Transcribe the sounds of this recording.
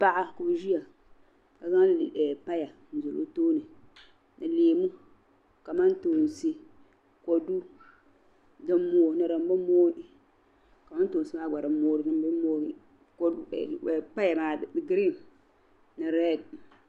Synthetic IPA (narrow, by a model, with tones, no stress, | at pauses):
pa˦ʔa˦ku˨bʒi˦a˨ | ka˨za˦ŋ˦lɛ˨pa˦ja˨ | n̩˨zo˨lo̰˦toː˦nɨ˨ | nɨ˨leː˨mu˦ | ka˨ma˦n˦to˨n˨si˦ | ko˨du˦ | dɨ˦moː˦˨nɨ˨ɾa˨m˦bɨ˦moː˦ | ka˨ma˦n˦to˨n˨sɨ˦maː˦˨ɡ͡ba˨ɾɨ˨˦moː˦ɾɨ˨nɨ˦bmoː˦i˦ | kːpa˦ja˨maː˨ɡɾi˦˨m | nɨ˨ɾɛ˦˨d̚